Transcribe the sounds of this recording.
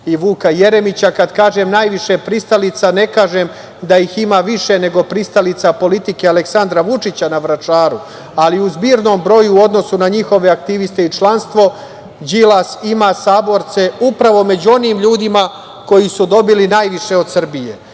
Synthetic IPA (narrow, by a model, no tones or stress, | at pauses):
iʋuːkaje̞ɾe̞mit͡ɕakad̪kaːʒemnaːjʋiʃepɾist̪alit̪sane̞kaːʒem | d̪ajiximaːʋiʃe̞ne̞ɡo̞pɾist̪alit̪sapo̞lit̪ike̞aleksand̪ɾaʋut͡ʂit͡ɕanaʋɾat͡ʃaːɾu | aliuzbiːɾno̞ːmbɾo̞juod̪no̞sunaɲixo̞ʋe̞ak̚t̪iʋist̪e̞it͡ʃlanst̪ʋo̞ | d͡ʑilˠasimaːsaːbo̞ɾt̪se̞upɾaʋo̞me̞d͡ʑuo̞niːmʎuːd̪ima | ko̞jisud̪o̞bilinaːjʋiʃe̞od̪sr̩bijḛ